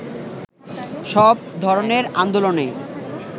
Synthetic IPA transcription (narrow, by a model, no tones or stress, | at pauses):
ʃɔb̚d̪ʱɔɾoneɾand̪olone